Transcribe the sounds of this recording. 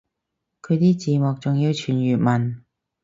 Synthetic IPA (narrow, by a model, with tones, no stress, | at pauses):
kʰɵ˨˧jt̪iː˥t͡siː˨˧mɔ˨k̚t͡sʊ˨ŋji˧wt͡ʃʰyː˨˩njyː˨t̚mɐ˨˩n